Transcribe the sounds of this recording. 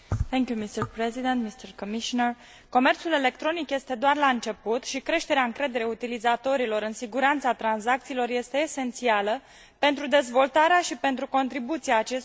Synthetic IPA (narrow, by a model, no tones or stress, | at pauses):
t̪ɛŋkjumist̪ərpɾezid̪ent̪mist̪ərkomiʃonər | ko̞me̞rt̪sule̞le̞kt̪ɾo̞nikje̞st̪e̞d̪oarlaɨnt͡ʃe̞put̪ʃikɾe̞ʃt̪e̞ɾeaɨŋkɾe̞d̪e̞ɾe̞ut̪ilizat̪o̞ɾilo̞ɾɨnsiɡuɾant̪sat̪ɾanzak̚t̪siːlo̞rje̞st̪e̞ːse̞nt̪sialə | pe̞nt̪ɾud̪e̞zvo̞lt̪aɾeaʃipe̞nt̪ɾuko̞nt̪ɾibut̪siaːt͡ʃe̞s